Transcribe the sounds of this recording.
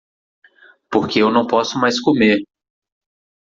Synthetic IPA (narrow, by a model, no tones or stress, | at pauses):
poɾkeewnɐ̃w̃pɔsʊmajskomeɾ